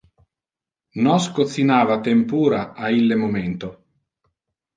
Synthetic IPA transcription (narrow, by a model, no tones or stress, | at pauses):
nɔskot̪sːinaːvat̪empuːɾaailːemomɛnt̪o